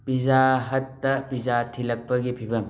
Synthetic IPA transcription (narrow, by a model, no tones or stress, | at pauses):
pizaɦɐtːɐpizatʰilɐk̚pɐɡipʰibɐm